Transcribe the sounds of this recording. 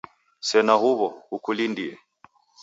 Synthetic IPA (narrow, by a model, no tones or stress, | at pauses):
sɛnahuβɔhukulindiɛ